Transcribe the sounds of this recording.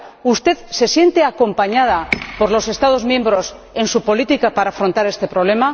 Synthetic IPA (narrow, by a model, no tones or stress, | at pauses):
ust̪e̞ðse̞sje̞nt̪e̞ako̞mpaɲað̞apo̞ɾlo̞se̞st̪að̞o̞zmjẽ̞mbɾo̞s | e̞nsupo̞lit̪ikapaɾaːfɾont̪aɾest̪e̞pɾo̞β̞le̞ma